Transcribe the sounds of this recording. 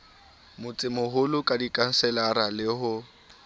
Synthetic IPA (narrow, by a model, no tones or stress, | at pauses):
mʊt͡sʼɪmʊɦʊlʊkʼadikʼan̩sɛlaɾalɪhʊ